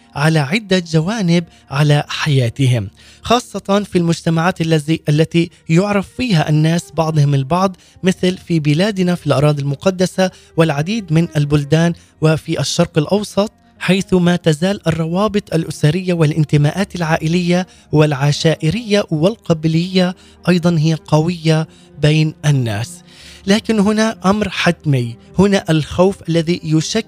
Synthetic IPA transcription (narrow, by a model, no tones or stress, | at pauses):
ʕalaʕɪd̪ːad͡ʒawaːnɪb | ʕalaħajaːt̪ɪɦɪm | xɑːsˤːɑt̪ɑnfilmʊd͡ʒt̪amaʕaːt̪alːaziʔalːat̪i | jʊʕɾˤɑfːiːhaʔanːaːsbɑʕd̪ˤhɪmɪlbɑʕd̪ˤ | mɪθlfibɪlaːd̪nafilʔɑɾˤɑːd̪ˤilmʊqɑd̪ːasa | wɪlʕad̪iːd̪mɪnʔalbʊld̪aːn | wɪfiʔaʃːɑɾˤqɪlʔɑwsˤɑt̪̚ˤ | ħajθmat̪azaːlʔɑrˤːɑwɑːbɨt̪ˤʔalʔʊsaɾɪjːawɪlʔɪnt̪ɪmaːʔaːt̪alʕaːʔɪlɪjːa | wɪlʕaʃaːʔɪɾɪjːawɪlqɑblɪjːa | ʔɑjd̪ˤɑnɦɪjːaqɑwɪjːa | beːnʔanːa̰ːs | laːkɪnɦʊnaʔamɾħat̪mɪj | hʊnaʔalxawfʔalːaðijʊʃa